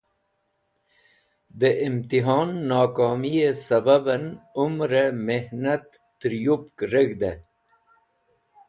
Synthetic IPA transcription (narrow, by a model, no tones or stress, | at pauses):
d̪əʔɪmt̪iɦɑːnːɑːkɑːmijesɐbabənʊmɾemehnat̪ːɾjupkɾəɡd̪e